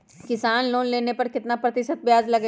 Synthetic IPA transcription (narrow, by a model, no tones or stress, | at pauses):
kɪsaːnloːnleːnepɐɾkɪt̪napɾɐt̪ɪʃət̪̚bjaːzlɐɡ